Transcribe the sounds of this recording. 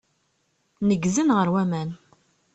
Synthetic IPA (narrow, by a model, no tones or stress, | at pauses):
nəɡzənʁəɾwæmæn